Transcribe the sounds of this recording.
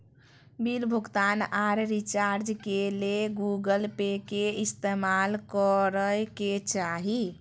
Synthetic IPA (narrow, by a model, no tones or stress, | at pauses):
bilbʱuɡt̪anaɾɾit͡ʃaɾd͡ʒkeleɡuɡəlpekeist̪emalkɔɾəjket͡ʃaɦi